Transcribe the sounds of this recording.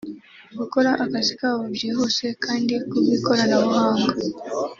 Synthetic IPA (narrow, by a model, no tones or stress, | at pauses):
βukɔɾaʔakasi̥kaβubjiɦɔsɛkʰandikuβikɔɾanaβuɦaŋɡa